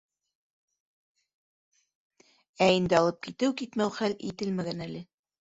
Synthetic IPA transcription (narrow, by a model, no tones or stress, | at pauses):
æind̪ɘɑlˠɤp̚kit̪ɘwkit̪mæwχælit̪ɘlmæɡænælɘ